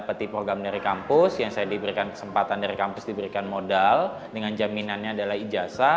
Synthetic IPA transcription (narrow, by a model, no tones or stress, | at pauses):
pət̪ipɾoɡɾamdaɾikampʊsjaŋsajadibəɾikankə̥səmpat̪andaɾikampʊsdibəɾikanmodal | dəŋand͡ʒaminanɲaːdalahid͡ʒasa